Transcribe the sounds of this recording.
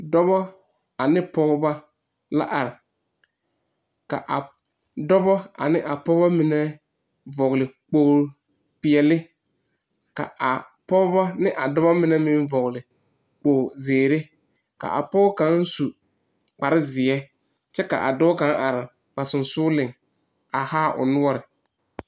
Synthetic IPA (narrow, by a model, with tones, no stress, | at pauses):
dɔ˦bɔ˦ | a˨nɪ˦pɔ˦ba˦ | la̰˦ʔa˨ɾɪ˨ | ka̰˨ʔa˨ | dɔ˦bɔ˦a̰˨nɪ˦ʔa˨pɔ˦ba˦mɪ˨nɛ˦ | vɔ˨ɣlɪ˨k͡poː˨ | pɪ˨ɛ˨lɪ˦ | ka̰˨a˨ | pɔ˦bɔ˦nɪ˦ʔa˨dɔ˦bɔ˦mɪ˨nɛ˦mɪ̃˦nvɔ˨ɣlɪ˨ | k͡poː˨zeː˨ɾe˦ | ka̰˨ʔa̰˨pɔ˦ka˨˦n˦su˨ | k͡pa˨ɾɪ˦zɪ˨ɛ˦ | t͡ʃɛ˦ka̰˨ʔa̰˨dɔ˦ka˨˦ŋʔa˨ɾɪ˨ | ba˨sʊ˨nsʊː˦lɪ˨ŋ | a˨haː˦ʔʊ̰˨nʊ˦ɔ˦ɾɪ˨